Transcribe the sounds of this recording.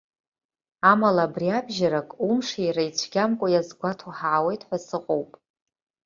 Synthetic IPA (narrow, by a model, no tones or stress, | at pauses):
amalaːbriabʒaɾakʼumʂijrajt͡ɕʷʰɡʲamkʷʼajazɡʷatʰaħaʕawe̞jtʼħʷasɨqʼowpʼ